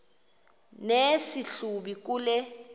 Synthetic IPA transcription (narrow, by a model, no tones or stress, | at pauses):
nesiɬuɓik̬ʼuːlɛ